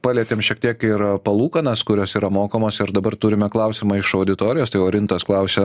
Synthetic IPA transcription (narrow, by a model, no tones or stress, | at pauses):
pɑːlʲiɛt̪ʲemʃʲiɛkt̪ʲiɛkɪɾpɐlˠuːkɐnɐskʊɾʲoːsiːɾɐmoːkoːmoːsɪɾd̪ɐbɐɾt̪uːɾʲɪmʲɛklˠɐʊsʲɪmɐɪʃɐʊd̪ʲɪt̪oːɾʲɪjoːst̪ɐɪoːɾʲɪnt̪osklˠɐʊsʲe